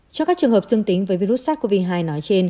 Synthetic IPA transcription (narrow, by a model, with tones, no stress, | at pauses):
t͡ɕɔ˧kaː˦˥k̚t͡ɕɨ˨˩əŋhə˨˩p̚zɨ˧əŋt̪ï˨˦ŋ̟vəː˨˦jvi˧ɾu˦˥t̚saː˦˥t̚kvi˧ɦaː˧jnɔ˨˦jt͡ɕe˧n